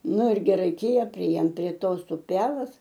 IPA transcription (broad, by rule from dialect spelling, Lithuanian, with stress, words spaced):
ˈnʊ ɪr ɡʲɪ ˈrɐɪkʲeːjɛ pʲrʲɪˈeːjoːm pʲrʲiɛ ˈtoːs ʊˈpʲæːlˠɐs